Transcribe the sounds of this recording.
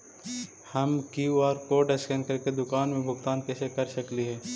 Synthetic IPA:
hɐmkiɔːɾkoːɖɛskɛ̃ɳkɐɾked̪ʊkaːnmẽbʱʊɡt̪aːnkɛːsekɐɾʃəkliɦɛː

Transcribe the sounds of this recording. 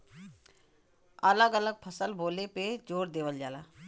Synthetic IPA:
ələɡələɡ̚pʰəsəlboːleped͡ʒoːɾd̪eːʋəld͡ʒaːlaː

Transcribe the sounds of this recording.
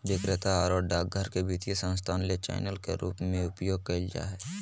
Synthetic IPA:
ʋɪkɾɪt̪aɔːɾɔːɖaːk̚ɡʱəɾkebit̪ijesə̃nst̪ʰaːnlet͡ʃa̰ːɪnəlkḛɾṵːpmẽʊpjoːɡ̚kɐld͡ʒa̰ɦɛː

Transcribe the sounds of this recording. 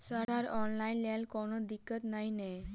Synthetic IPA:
səɾaɾɔnlainlalkɔɽ̃ɔd̪ikːət̪nainɛ

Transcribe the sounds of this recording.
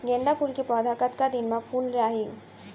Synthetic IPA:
ɡeːnd̪apuɾkepɔːd̪ʱaːkət̪kad̪ɪnmãpʰuːlɾaːɦi

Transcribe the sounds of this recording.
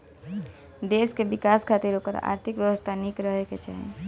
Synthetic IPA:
d̪eːskebɪkaːskʰaːt̪iɾɦokəɾa̰ːɾt̪ʰɪkʋjəʋəst̪ʰanikɾəɦeket͡ʃa̰ɦḛ̃

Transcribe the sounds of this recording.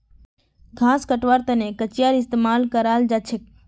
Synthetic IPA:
ɡʱãːskəʈʋaːɾt̪ənẽkət͡ʃɪjaːɾɪst̪eːmaːlkəɾaːld͡ʒat͡ʃʰɪk̚

